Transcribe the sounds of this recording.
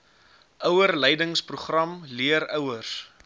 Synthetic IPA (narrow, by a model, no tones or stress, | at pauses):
ʔœwərlɛjdəŋspruχrɐmliəɾœwərs